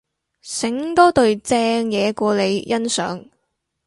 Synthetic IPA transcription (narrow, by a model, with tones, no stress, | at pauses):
sɪ˨˥ŋt̪ɔː˥t̪ɵ˨˧ɥt͡sɛː˧ŋjɛː˨˧kʷɔː˧le˨˧jjɐ˥nsœ̰ː˨˥ŋ